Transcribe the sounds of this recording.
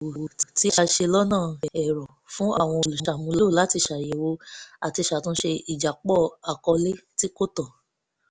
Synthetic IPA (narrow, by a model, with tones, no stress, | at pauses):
ti˦ʃa˧ʃe˧lɔ˦nãː˦˨ɛ˨ɾɔ̃˨ | fũ˦a˦˨w̃ɔ̃˧o˨lu˨a˨mũ˧lo˦˨la˨˦ti˧ʃa˨je˨wo˧a˨ti˧ʃa˨tũ˦ʃe˧i˨d͡ʒa˨k͡pɔ˦˨a˨kɔ˧le˦ti˦ko˦tɔ˦˨